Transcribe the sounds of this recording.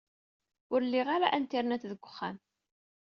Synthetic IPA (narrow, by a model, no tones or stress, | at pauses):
ʊɾlːiʁaɾaʔænt̪ːiɾnæt͡sːðəɡʷːə̥χːæ̰m